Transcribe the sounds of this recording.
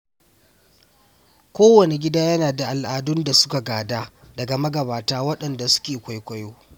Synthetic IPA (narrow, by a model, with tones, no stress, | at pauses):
kʷoː˦wɐ˨ne˨ɡʲɪ˦daː˦jɐ˦naː˨da˨ʔa˨lʔaː˨dʊ˦nda˨sʊ̥˦ka˨ɡaː˨daː˦ | dɐ˨ɡa˨mɐ˦ɡɐ˨baː˨taː˦wɐ˦ɗɐ˨nda˨sʊ̥˦kʲeː˨kʷa˨˦jkʷɐ˦joː˦